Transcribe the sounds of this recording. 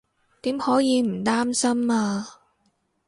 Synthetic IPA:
t̪iː˨˥mhɔː˨˥jiː˨˧m̩˨˩t̪aː˥msɐ˥maː˧

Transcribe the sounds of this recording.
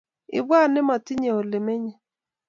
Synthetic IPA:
ɪ̰˨ba˦˨nɪ˦ma˨tɪ˦ɲe˨o˨lɪ˨me˦ɲe˦

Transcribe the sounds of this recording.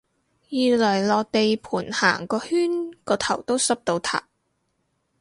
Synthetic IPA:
jiː˧lœː˨˩jlɔː˨˧k̚t̪e˨jpʰuː˨˩nha̰ː˨˩ŋkɔː˧hyː˥nkɔː˧t̪ʰɐ˨˩wt̪o˥wsɐ˥p̚t̪o˨˧wt̪ʰa̰ː˨˩p̚

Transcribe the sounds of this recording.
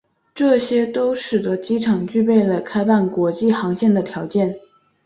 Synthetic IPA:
ʈ͡ʂɤ˥˩ɕjɛ˥t̪o˥ʊʂɻ̩˨˩d̪ə˧˦t͡ɕi˥ʈ͡ʂʰɑ˨˩ŋt͡ɕy˥˧pe˥˩ɪlə˩kʰa˥ɪpa˥˩nkwɔ˧˥t͡ɕi˥˩xɑ˧˥ŋɕjɛ˥˩nd̪ə˩t̪ʰjɑ˧˥ʊt͡ɕjɛ˥˩n

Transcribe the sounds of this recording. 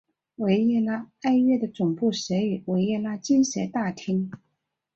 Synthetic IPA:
we˧˥ɪɛ˥˩˧la˥a˥ɪɥɛ˥˩d̪ə˩t͡sʊ˨˩ŋpu˥˩ɕɛ˧˥y˨˩we˧˥ɪjɛ˥˩la˥t͡ɕi˥nɕɛ˧˥t̪a˥˩t̪ʰi˥ŋ

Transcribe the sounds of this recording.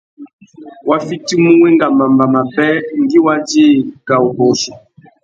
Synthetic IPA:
wa˦fi˦ti˦mu˦wɛ˦ŋɡa˨mba˨mba˨ma˨bɛ˦ŋ˦ɡi˦wa˦d͡ʒi˦˨ka˨o˨bɔ˨sɔ˨

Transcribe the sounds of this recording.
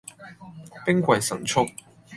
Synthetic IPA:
pɪ˥ŋkʷɐ˨˩jsɐ˨˩ŋt͡sʰʊ˥k̚

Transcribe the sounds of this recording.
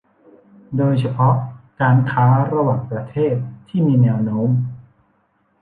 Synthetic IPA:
doː˧jt͡ɕʰa˧pʰɔ˦˥ʔkaː˧nkʰaː˦˥ɾa˧waː˨˩ŋpɾa˧t̪ʰeː˥˩t̪ʰːiː˥˩miː˧nɛː˧wnoː˦˥m

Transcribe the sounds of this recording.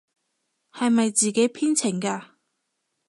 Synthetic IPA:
hɐ˨jmɐ˨jt͡siː˨ke˨˥jpʰiː˥nt͡sʰɪ˨˩ŋkaː˧

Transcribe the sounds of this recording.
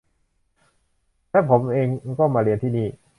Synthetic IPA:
lɛː˦˥˩pʰo˩˦mʔeː˧ŋkɔː˥˩maː˧ɾi˧ənt̪ʰiː˥˩niː˥˩

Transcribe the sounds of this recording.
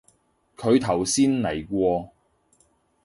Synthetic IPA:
kʰɵ˨˧ɥt̪ʰɐ˨˩wsiː˥nlɐ˨˩jkʷɔː˧

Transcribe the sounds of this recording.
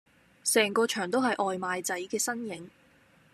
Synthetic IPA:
sɛː˨˩ŋkɔː˧t͡ʃʰœː˨˩ŋt̪̬o˥wɦɐ˨jʔɔː˨jmaː˨jt͡sɐ˨˥jkɛː˧sɐ˥njɪ˨˧ŋ

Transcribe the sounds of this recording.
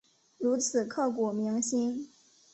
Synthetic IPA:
ɻu˧˥t͡sʰɹ̩˨˩kʰɤ˥˩ku˨˩mi˧˥ŋɕi˥n

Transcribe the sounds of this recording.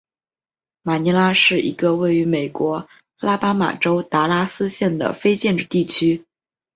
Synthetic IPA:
ma˨˩ni˧˥la˥ʂɻ̩˥˩ḭ˧˥ɡə˧we˥˩ɪy˧˥me˨˩ɪkwɔ˧˥ | a˥la˥pa˥ma̰˨˩ʈ͡ʂo˥ʊt̪a˧˥la˥sɹ̩˥ɕjɛ˥˩nd̪ə̰˩fe˥ɪt͡ɕjɛ˥˧nʈ͡ʂɻ̩˥˧t̪i˥˩t͡ɕʰy˥

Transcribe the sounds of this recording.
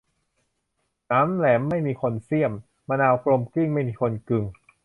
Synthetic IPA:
naː˦˥mlɛː˩˦mːa˥˩jmiː˧kʰo˧nsi˥˩əmː | a˧naː˧wkɾlo˧mki˥˩ŋma˥˩jmiː˧kʰo˧nkɯ˧ŋ

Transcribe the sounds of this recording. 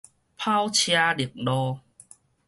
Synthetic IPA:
pʰa˦˥wt͡ɕʰja˧li˨˩ək̚lɔː˧

